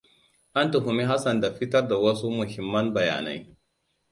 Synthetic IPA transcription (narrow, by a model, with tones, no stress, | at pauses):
ʔa˦ntu˨ɦʊ˨mi˦ɦa˦sɐ˨nda˨ɸɪ˦tɐ˦rda˨wɐ˦su˦mʊ˨hɪ˨mːɐ˦nbɐ˨ja̰ː˨na̰˦j